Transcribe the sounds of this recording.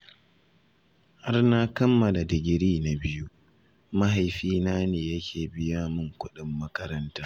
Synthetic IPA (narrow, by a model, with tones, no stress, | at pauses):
ha˦rna˦kɐ˦mːɐ˨la˨dɪ˨ɡʲɪ˨ɾiː˦na˨bɪ˦ju˦ | mɐ˦ha˨jɸiː˦naː˦neː˨jɐ˦kʲʰeː˨bɪ˦jaː˦mʊ˦˨ŋkʷʊ˦ɗɪ˦mːɐ˦kɐ˦ɾɐ˦ntaː˦